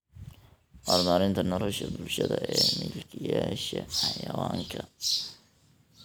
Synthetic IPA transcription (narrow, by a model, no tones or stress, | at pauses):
ʔɑːrmaːɾɪnt̪ʰɐnɔlɔʃɐbʊlʃɐðɐɛːmɪlkʰɪjaːʃɐħɑjɐwɑːŋkʰɐ